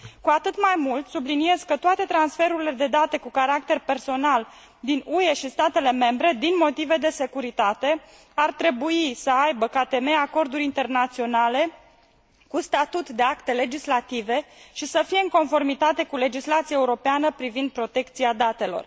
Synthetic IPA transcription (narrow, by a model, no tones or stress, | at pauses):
kuat̪ɨt̪majmult̪sublinie̞zkət̪oat̪e̞t̪ɾansfe̞ɾuɾile̞d̪e̞d̪at̪e̞kukaɾak̚t̪e̞rpe̞rso̞nal | d̪inue̞ʃist̪at̪e̞le̞me̞mbɾe̞d̪inmo̞t̪ive̞d̪e̞se̞kuɾit̪at̪e̞ | art̪ɾe̞buisəajbəkat̪e̞meako̞rd̪uɾʲint̪e̞rnat̪sio̞nale̞ | kust̪at̪ut̪d̪e̞akt̪e̞le̞d͡ʒislat̪ive̞ʃisəfije̞ɨŋko̞nfo̞rmit̪at̪e̞kule̞d͡ʒislat̪sijaeuɾo̞peanəpɾivind̪̚pɾo̞t̪e̞kt̪siad̪at̪e̞lo̞̰r